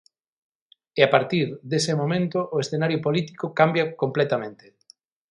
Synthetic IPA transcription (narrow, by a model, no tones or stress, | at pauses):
eapaɾt̪iɾðesemomẽnt̪ʊʔːesθenaɾjʊpolit̪i̥kokambjɐkomplɛt̪amẽnt̪e̥